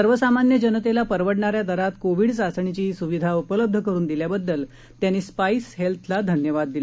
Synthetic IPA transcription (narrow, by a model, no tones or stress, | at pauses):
əɾʋəsamanjəd͡ʑənət̪elapəɾʋəɽɳaɾjad̪əɾat̪koʋiɽsat͡sɳ̃it͡ɕiːsuʋid̪ʱaupələb̚d̪ʱəkəɾuːnd̪iljabəd̪ːəl | t̪janːiːspaisɦelt̪ʰlad̪ʱənjəʋad̪ːil